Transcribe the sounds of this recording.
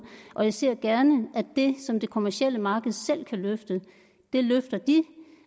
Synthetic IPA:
ʔɒ̽jɑ̈ɪse̝ɐ̰ɡ̥æɐnəʔæd̥e̝sɒ̽md̥e̝kʰo̝mæɐsiel̰əmɑ̈ːɡ̥əð̞̩ˠsel̰kʰæløfd̥ə | d̥e̝løfd̥ɐd̥i

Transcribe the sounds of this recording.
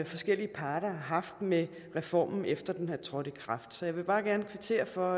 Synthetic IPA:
fɒ̽sɡ̥el̰iəpʰɑ̈ːɾ̥ɐɦɑ̈fd̥me | ʁɛfɒ̰ːmn̩efd̥ɐd̥enhæɐ̰t͡sʰʁɒ̽ɾ̥əkʰʁɑ̈fd̥sɒ̽jɑ̈ɪʋe̝b̥ɑ̈ːɡ̥æɐnəkʰʋet͡sʰe̝̰ːɐfɒ̽

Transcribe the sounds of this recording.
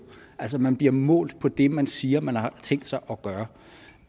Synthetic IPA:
ʔælsəmænb̥liɐmɔ̰̽ːld̥̚pʰɒ̽d̥e̝mænsiːɐmænhɑ̈t͡sʰeŋ̰d̥sɑ̈ɪʔɒ̽ɡ̥ɶːɐ

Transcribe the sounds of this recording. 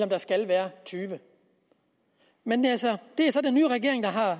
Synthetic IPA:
lɒ̽md̥ɑ̈sɡ̥ælʋæːɐt͡sʰyːʋə | menælsɒd̥e̝æɐsɒ̽d̥enːyːʁɛɡ̥e̝ɐ̰eŋd̥ɑ̈ɦɑ̈

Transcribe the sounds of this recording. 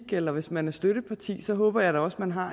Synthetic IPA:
ɡ̥elɐʋe̝smænæɐsd̥øɾəpʰɑ̈t͡sʰḭːsɒ̽ɦɔ̽ːb̥ɐjɑ̈ɪɾɑɒ̽smænɦɑ̈

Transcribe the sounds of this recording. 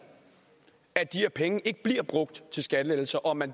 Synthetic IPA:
æd̥iheɐpʰeŋəʔe̝ɡ̥əb̥liɐb̥ʁɔ̽ɡ̥̚d̥t͡sʰe̝lsɡ̥æd̥əle̥l̩sɐʔɒ̽mæn

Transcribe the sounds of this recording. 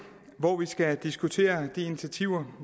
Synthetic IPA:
ʋɒʋisɡ̥æd̥isɡ̥ut͡sʰe̝̰ːɐd̥ie̝nit͡sʰæt͡sʰiʊ̰ɐ

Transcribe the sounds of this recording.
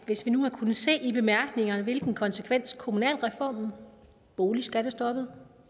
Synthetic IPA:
ʋe̝sʋinuhɑ̈kʰunð̩ˠse̝̰ːib̥e̝mæɐɡ̥ne̝ŋɐnʋe̝lɡ̥n̩kʰɒ̽nsekʰʋen̰skʰo̝munɛ̰ːlʁɛfɒ̰ːm̩ | b̥o̝ːlisɡ̥æɐɾ̥esd̥ɒ̽b̥ð̩ˠ

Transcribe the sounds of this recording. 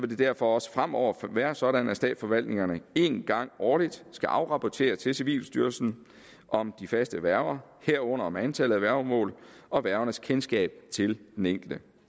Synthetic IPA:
sʋe̝de̝d̥æɐ̰fɒ̽ɒ̽sə̥fʁam̰ɒʊ̰ɐʋæɐsɒ̽ɾænæsd̥ɛ̰ːd̥sfɒ̽ʋæl̰d̥ne̝ŋɐnəe̝nɡ̥ɑ̈ŋ̰ɒːlid̥sɡ̥æʔɑ̈ʊʁɑ̈pʰɒt͡sʰe̝̰ːɐt͡sʰe̝seʋḭːlsd̥yɐlsn̩ | ʔɒ̽md̥ifæsd̥əʋæɐɐheɐ̰ɔ̽n̰ɐɒmænt͡sʰæl̰ð̩ˠæʋæɐʊmɔ̰̽ːlɒ̽ʋæɐʊɐnəskʰensɡ̥ɛ̰ːb̥̚t͡sʰe̝ld̥eneŋ̰ɡ̥l̩d̥ə

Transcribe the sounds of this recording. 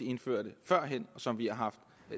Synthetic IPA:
ie̝nfø̰ɐ̰d̥əfɶɐ̰ɦen̰ɒ̽sɒ̽mʋihɑ̈ɦɑ̈fd̥

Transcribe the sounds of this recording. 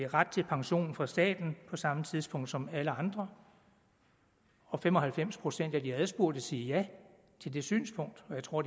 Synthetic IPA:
ʁad̥̚t͡sʰe̝lpʰɑ̈ŋɕo̝̰ːnn̩fɑ̈sd̥ɛ̰ːd̥n̩pʰɒ̽sɑ̈mət͡sʰiðˠspʰɔ̽ŋ̰d̥sɒ̽mæləɑ̈nd̥ʁɐ | ɒ̽femɒ̽hælfem̰spʰʁo̝sen̰d̥æɐd̥iæðˠsb̥uɐ̰d̥əsiːjæ | t͡sʰe̝ld̥e̝sy̰ːnspʰɔ̽ŋ̰d̥ɒjɑ̈ɪt͡sʰʁo̝ɐ̰d

